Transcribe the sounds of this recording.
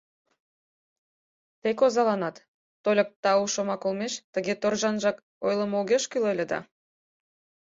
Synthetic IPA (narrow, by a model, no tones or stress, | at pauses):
t̪ekozɑlɑnɑt̪ː | olʲək̚t̪ɑuʃomɑkolmeʃt̪əɣet̪orʒɑnʒɑk | ojlˠəmuɣʲeʃkylelʲĕd̪ɑ̰